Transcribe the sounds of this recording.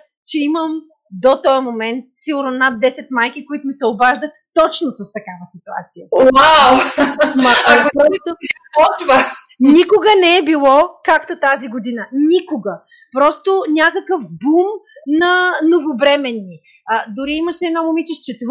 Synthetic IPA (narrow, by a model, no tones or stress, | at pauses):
t͡ʃɛiməm | d̪ot̪ɔjəmomɛnt̪̚siɡʊɾnonad̪ːɛsɛt̪majkikoit̪ʊmisɛobaʒd̪ət̪ːɔt͡ʃnosɐst̪ɐkavəsit̪ua̰t̪sijəwawmɐpɾɔlɛt̪o | pɔt͡ʃvə | nikoɡənɛɛbilˠɔkakt̪ot̪aziɡod̪inənikoɡɐ | pɾɔst̪onʲakəkəfbumnɐnovobɾɛmɛnːi | d̪ʊɾiimɐʃɛːd̪namomit͡ʃɛʃt͡ʃɛt̪v